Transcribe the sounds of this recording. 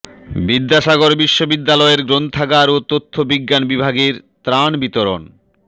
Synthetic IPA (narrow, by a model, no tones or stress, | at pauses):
bid̪ːaʃaɡoɾbiʃːobid̪ːalɔeɾɡɾont̪t̪ʰaɡaɾot̪ot̪ʰːobiɡːanbibʱaɡeɾt̪ɾanbit̪oɾon